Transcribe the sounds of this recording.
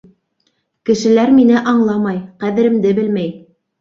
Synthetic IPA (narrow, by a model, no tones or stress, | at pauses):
kɘ̆ʃɘ̆læɾminɘʔɑɴlˠɑmɑjqæðɘ̆ɾɘ̆md̪ɘbɘlmæj